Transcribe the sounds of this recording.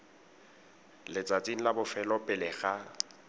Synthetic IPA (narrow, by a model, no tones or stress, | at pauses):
lɪt͡sʼat͡sʼin̩labʊfɛlɔpʼɪlɪɣa